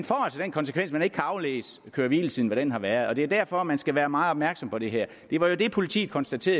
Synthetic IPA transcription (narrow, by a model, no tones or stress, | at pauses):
nfɒ̰ːt͡sʰed̥enkʰɒ̽nsə̥kʰʋen̰smæne̝ɡ̥̚kʰæɑ̈ʊlḛːskʰøːɐʋiːlt͡sʰið̰ˠn̩ʋæɾ̥enɦɑ̈ʋæɐð̞̩ˠɒd̥e̝æɐdæɐ̰fɒ̽mænsɡ̥æʋæːɐmɑ̈ːð̩ˠɒbmæɐɡ̥sɒ̽mpʰɒ̽ɾ̥e̝ɦæɐ̰ | d̥e̝ʋɑ̈jo̝d̥e̝pʰo̝lit͡sʰḭːð̩ˠkʰɒ̽nsd̥æt͡sʰe̝̰ːɐ